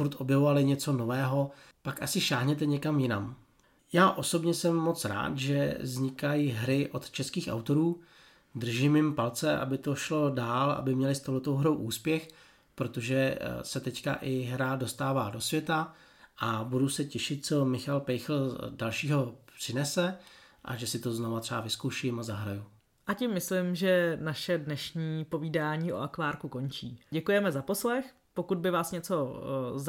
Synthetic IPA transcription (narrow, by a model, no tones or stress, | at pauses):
fuɾt̪ʔo̞bjɛvovalɪɲɛt͡so̞no̞vɛːɦo̞ | pakʔasɪʃaːɦɲɛt̪ɛɲɛkamjɪnam | jaːʔo̞so̞bɲɛsɛmːo̞t͡sɾa̰ːt̪ʒɛ̰zɲɪkajiɦɾɪʔo̞t̪t͡ʃɛskiːxʔa̰wt̪o̞ɾuː | d̪r̩ʒɪmjɪmpalt͡sɛʔa̰bɪt̪oʃlo̞daːla̰bɪmɲɛlɪst̪owɦlɛt̪owɦɾo̞wʔuːspjɛx | pɾo̞t̪oʒɛsɛt̪ɛcka̰ʔɪɦɾado̞st̪aːvaːdo̞svjɛt̪a | ʔabudusɛcɛʃɪt̪̚t͡so̞mɪxalpɛjxl̩dalʃiːɦo̞pr̥ɪnɛsɛ | ʔa̰ʒɛsɪt̪o̞znovat̪r̥ɛavɪskowʃɪmazaɦɾaju | ʔacɪmːɪslɪmʒɛnaʃɛdnɛʃɲiːpo̞viːdaːɲiːʔo̞̰ʔakvaːɾkuko̞nt͡ʃḭːɟɛkujɛmɛzapo̞slɛx | pokud̪̚bɪvaːsɲɛt͡so̞z